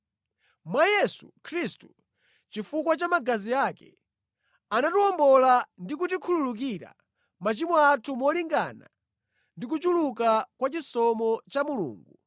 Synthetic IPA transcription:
mwajɛsu̥kʰɾistu̥ | t͡ʃifukwat͡ʃamaɡaziakɛ̰ | anatuɔmbɔlandik̬utikʰululuk̬iɾa̰ | mat͡ʃimɔatʰumɔliŋɡa̰na̰ | ndik̬ut͡ʃulukakwat͡ʃisɔmɔt͡ʃamulṵːŋɡu

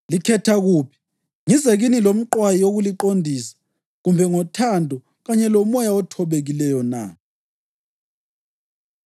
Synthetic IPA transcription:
likʰɛtʰaɣuːpʰi̥ | ŋizɛɣinilom̩ǃwajioɣuliǃondʱisḁ | ɣumbʱɛŋɔtʰandʱɔ | ɣaɲɛlɔmɔjaɔtʰɔβeɣilɛjɔna̰

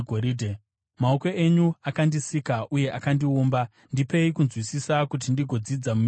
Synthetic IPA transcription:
ɡʱoɾidʱe | mao̞ko̞eɲuakandisikaʔuje̞ʔakandiuːmba | ndipe̞ikunzwisisakut̬indiɡʱo̞d͡zid͡zamum

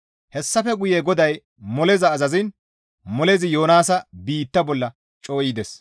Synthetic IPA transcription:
hɛsːɐfɛɡʊjɛɡɔd̪ɐj | mɔlɛzɐːzɐzɪn | mɔlɛzɪjo̞ːnaːsɐbiːt̪ːɐbɔlːɐ | t͡ʃʼo̞ːjɪd̪ɛs

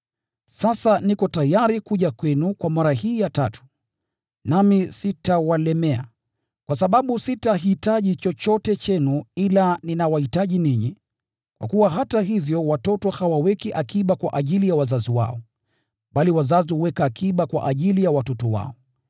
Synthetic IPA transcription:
sasanikɔtajaɾikuʄakwɛnukwamaɾahiːjatatu̥ | namisitawalɛmɛa̰ | kwasaɓaɓusitaɦitaʄit͡ʃɔt͡ʃɔtɛt͡ʃɛnuilaninawahitaʄiniɲi | kwa̰kuwaɦataɦivjɔwatɔtɔhawawɛkiʔakiɓakwa̰ʔaʄilijawazaziwa̰ɔ | ɓaliwazaziuwɛkaːkʰiɓakwa̰ʔaʄilijawatɔtɔwa̰ɔ

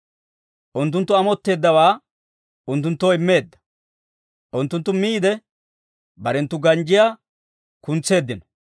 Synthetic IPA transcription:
ʔʊnt̪ːʊnt̪ːʊɐmɔt̪ːe̞ːd̪ːɐwaː | ʊnt̪ːʊnt̪ːoːɪmːe̞ːd̪ːɐ̥ | ʔʊnt̪ːʊnt̪ːʊmiːd̪ɛ | bɐɾɛnt̪ːʊɡɐnd͡ʒɪjaː | kʊnt͡sːe̞ːd̪ːɪnɔ

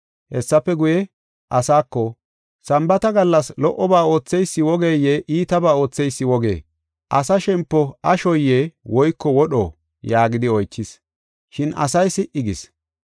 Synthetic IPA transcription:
hɛsːɐpːɛɡʊjɛ | ʔɐsaːkːɔ | sɐmbɐt̪ɐɡɐlːɐslɔʔːɔbaːo̞ːt͡sːɛjsːɪwɔɡeːjeʔiːt̪ɐbaːo̞ːt͡sːɛjsːɪwɔɡḛː | ʔɐsɐʃɛmpːɔɐʃɔjːeːwɔjkːɔwɔɗɔ̰ | jaːɡɪd̪ɪɔjt͡ʃːɪs | ʃɪnɐ̰sɐjsɪʔʔɪɡɪs

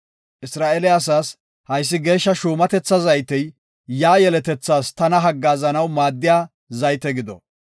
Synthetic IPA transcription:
ʔɪsɾaːʔɛlɛɐs̬aːs | hɐjs̬ːɪɡe̞ːʃːɐʃuːmɐt̪ɛt͡sːɐzɐjt̪ɛj | jaːjɛlɛt̪ɛt͡sːaːst̪ɐnɐɦɐɡːaːzɐnɐwmaːd̪ːɪjaː | zɐjt̪ɛɡɪd̪ɔ̰

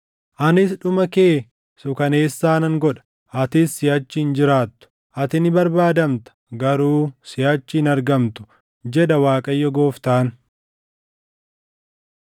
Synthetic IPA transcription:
ʔɐnɪsᶑʊmɐke̞ː | sʊkɐne̞ːsːaːnɐŋɡɔᶑɐ̥ | ɐt̪ɪsːɪjɐt͡ʃːɪɪnd͡ʒɪɾaːt̪ːʊ̥ | ʔɐt̪ɪnɪbɐɾbaːd̪ɐmt̪ɐ̥ɡɐɾuːsɪjɐt͡ʃːɪɪnɐɾɡɐmt̪ʊ̥ | d͡ʒɛᶑɐwaːkʼɐjːɔɡoːft̪aːn

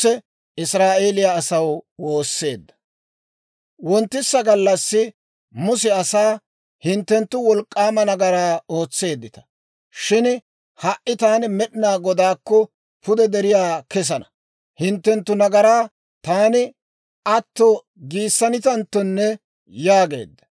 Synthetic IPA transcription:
t͡sːɛ | ɪsɾaːʔe̞ːlɪjaːsɐwwo̞ːsːe̞ːd̪ːɐ̥ | wɔnt̪ːɪsːɐɡɐlːɐsːɪ | mʊsɛɐsaː | hɪnt̪ːɛnt̪ːʊwɔlkʼːaːmɐnɐɡɐɾaːo̞ːt͡sːe̞ːd̪ːɪt̪ɐ̥ | ʃɪn | hɐʔɪt̪aːnɪmɛɗɪnaːɡɔd̪aːkːɔ | pʊd̪ɛd̪ɛɾɪjaːkɛs̬ɐnɐ | hɪnt̪ːɛnt̪ːʊnɐɡɐɾaː | t̪aːnɪ | ɐt̪ːɔ | ɡiːsːɐnɪt̪ɐnt̪ːɔnːɛ | jaːɡe̞̰ːd̪ːɐ̥

